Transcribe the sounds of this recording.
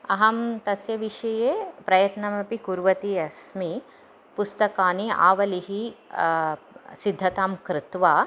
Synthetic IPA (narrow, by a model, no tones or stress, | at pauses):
ɐɦɐmt̪ɐsjɐʋiʃɐjeːpɾɐjɐt̪nɐmɐpikuɾʋɐt̪iɐsmi | pust̪ɐkaːnia̰ːʋɐliɦi | sid̪ʱːɐt̪aːmkɾɪt̪ʋaː